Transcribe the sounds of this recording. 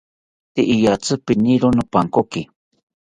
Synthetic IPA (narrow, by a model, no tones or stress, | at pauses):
t̪iʔijat͡sɨpiniɾʊnopaŋkoki